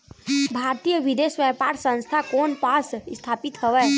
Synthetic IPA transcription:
bʱaːɾt̪ijəʋid̪esʋepaːɾsə̃nst̪ʰakɔːnpasst̪ʰaːpit̪həʋɛː

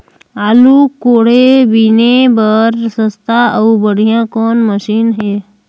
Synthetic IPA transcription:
aːlukoːɽebinebəɾsəst̪ʰaəubəɽ̤ijãkɔːnməʃiːnɦeː

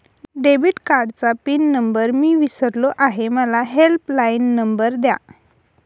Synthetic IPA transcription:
ɖebiʈkaɾɖt͡sapiːnːəmbəɾmiːʋisəɾloʔaɦeməlaɦelplainːəmbəɾd̪ja̰

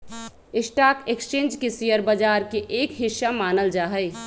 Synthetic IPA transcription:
ɪsʈakekst͡ʃẽnd͡ʒkesijəɾbəd͡ʒaɾkeʔekɦisamanəld͡ʒaɦəj

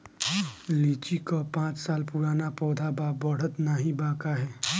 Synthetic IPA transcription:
liːt͡ʃikopãːt͡ʃsaːlpuɾaːnapɔːd̪ʱabaːbəɽ̤ət̪naɦĩbãːkaɦɛː

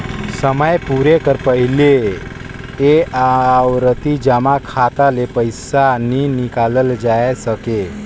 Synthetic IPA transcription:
səməjpuɾekəɾpəɦile | eawɾət̪id͡ʑəmakʰat̪alepəjsaninikaləld͡ʒajsəke

